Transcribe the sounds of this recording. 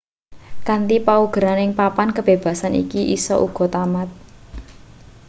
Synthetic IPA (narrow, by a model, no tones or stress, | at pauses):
kant̪ipauɡ̥ə̤ɾanɪŋpapankəb̥e̤b̥a̤sanḭkiʔisɔ̰ʔuɡ̥ɔ̤t̪amat̪̚